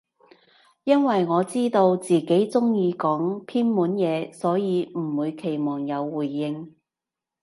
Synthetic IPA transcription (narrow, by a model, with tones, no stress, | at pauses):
jɐ˥nwɐ˨jŋɔː˨˧t͡siː˥t̪o˧wt͡siː˨ke˨˥jt͡sʊ˥ŋjiː˨˧kɔː˨˥ŋpʰiː˥nmuː˨˥njɛː˨˧sɔː˨˥jiː˨˧m̩˨˩wuː˨˧jkʰe˨˩jmɔː˨˩ŋjɐ˨˧wːuː˨˩jːɪ˧ŋ